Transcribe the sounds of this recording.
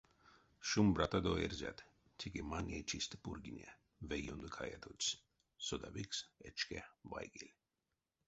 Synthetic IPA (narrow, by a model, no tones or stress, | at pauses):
ʃumbɾat̪ad̪ɔɛɾzʲa̰d̪ | t̪ʲʰikimanʲet͡ʃʰist̪puɾɡinʲɛ | vɛjund̪ɨkʰaja̰t̪ʰous | sɔd̪aviksɛt͡ʃkɛvajɡilʲ